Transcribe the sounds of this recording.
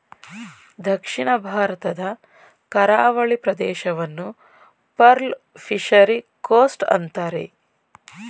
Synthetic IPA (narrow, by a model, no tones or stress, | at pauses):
d̪ʱɐkʂiɳɐbʱaːɾɐt̪ɐd̪ɐ | kɐɾaːʋɐɭipɾɐd̪ɛːʃɐʋɐnːu | pɐɾl | pʰiʂɐɾikoːsʈɐ̰nt̪aːɾe̞̰